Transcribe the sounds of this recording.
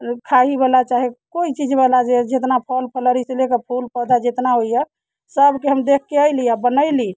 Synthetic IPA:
kʰaɦibalat͡ʃaɦikoit͡ʃid͡ʒbalad͡ʒed͡ʒet̪napʰəlpʰələɾiselekəpʰulpəd̪ʱad͡ʒet̪naɦoijə | səbʱkeɦəmd̪ekʰːeəjliabənəɪli

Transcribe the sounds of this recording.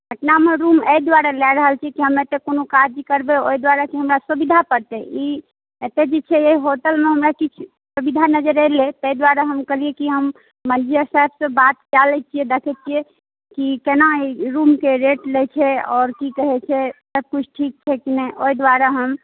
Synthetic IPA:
ɡʱəʈnameɾuməjd̪waɾalɛɾəɦəlt͡ʃʰiɛkiɦəmet̪ekonokad͡ʒkəɾbeoid̪waɾakeɦəmɾasubid̪ʱapəɾt̪ɛʔi | et̪ed͡ʒet͡ʃʰɛeɦiɦoʈəlmeɦəmɾakit͡ʃʰ | subid̪ʱanəd͡ʒəɾəlet̪əjd̪waɾaɦəmkəɦliekiɦəmː | əd͡ʒijəsaɦɛbsə̃bat̪t͡ʃalɛt͡ʃʰiɛd̪ekʰɛt͡ʃʰie | kikenaiɾumkeɾeʈlet͡ʃʰɛɔːɾkikəɦɛt͡ʃʰɛsəb̚kut͡ʃʰʈʰik̚t͡ʃʰɛkinɛʔoid̪waɾaɦəm

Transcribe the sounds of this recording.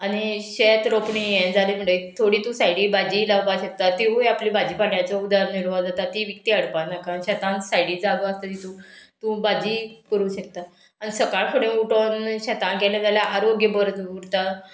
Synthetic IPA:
aɽ̃iɕet̪ɾopɳijẽd͡zalem̤əɽet̪ʰoɽiːt̪ũsaiɽibad͡ʑilawpaɕək̚t̪at̪iɦujaplibad͡ʑiːpaɳjat͡sɔud̪aɾniɾʋad͡zat̪at̪iʋik̚t̪iːəɽpanakaɕat̪ãnsajɽiːd͡zaɡəəst̪at̪it̪ũt̪ũbad͡ʑiːkəɾuːɕək̚t̪a | anisəkaɭkʰəɽẽuʈonɕat̪ãnkɛlẽt̪aljaʔaɾoɡjəbəɾət̪uɾt̪a

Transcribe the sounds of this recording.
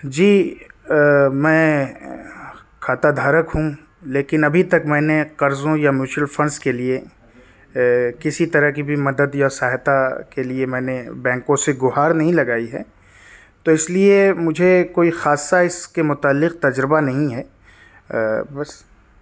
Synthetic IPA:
d͡ʒiː | mɛ̃ː | kʰaːt̪ad̪ʱaːɾəkɦũ | leːkɪnɐbʱit̪ɐkmɛ̃ːneqɐɾzõjamjuːt͡ʃəlfɐ̃nɖskelie | kɪsit̪ɐɾəɦkibʱimɐd̪əd̪jasaːɦt̪akeliemɛ̃ːnebɛ̃ːŋkõseɡʊɦaːɾnɐɦĩlɐɡaːiɦɛː | t̪oɪsliemʊd͡ʒʱekoːixaːsːaɪskemʊt̪aːlːɪq̚t̪ɐd͡ʒɾɪbanɐɦĩɦɛː | bɐs

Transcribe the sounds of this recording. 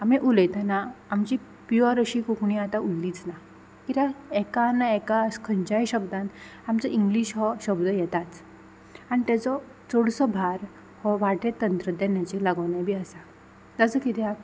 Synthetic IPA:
ameʔuləjt̪anaamt͡ɕi | piɔɾəɕikukɳiat̪aulːiːt͡sna | kit̪ãɛkanaɛkaskʰəɲt͡ɕajɕəbd̪ãnt̪amt͡sɔʔiŋɡliːɕɦɔɕəbd̪əjɛt̪at͡s | añit̪at͡sɔ | t͡sɔɽsɔbʱaɾ | hɔʋaʈet̪ːənt̪ɾəd̪enjat͡ɕelaɡənabʱiːasa | d͡zat͡səkit̪iak

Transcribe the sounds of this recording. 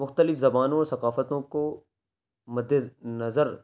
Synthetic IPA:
mʊxt̪əlɪfzɐbaːnõɔːɾsɐqaːfət̪õko | mɐd̪ʱːenɐzəɾ

